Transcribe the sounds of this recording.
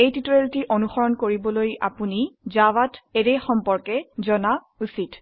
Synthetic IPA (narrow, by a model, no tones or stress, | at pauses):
ejtitɔɹeltiʔonuxɔɹɔnkoɹibɔloja̰punizawatɛɹejxɔmpɔɹkɛzɔna | usit